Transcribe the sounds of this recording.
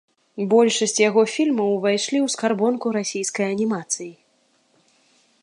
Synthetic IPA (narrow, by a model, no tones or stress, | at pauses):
bɔlʲʂɐsʲt͡sʲjaɣɔfʲilʲmɐwvajʂlʲiwskarbɔnkuɾasʲijskɐjɐnʲimat̪sɨji